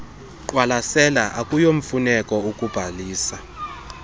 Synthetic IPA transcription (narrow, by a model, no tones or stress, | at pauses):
ǃwalasɛlaʔakʼujoɱ̩funɛkʼɔukʼub̥ʱaliːsa